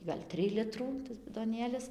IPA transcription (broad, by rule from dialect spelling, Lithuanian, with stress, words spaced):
ɡɐlʲ ˈtʲrʲɪj ˈlʲɪtruː tɐs bʲɪdoːˈnʲeːlʲɪs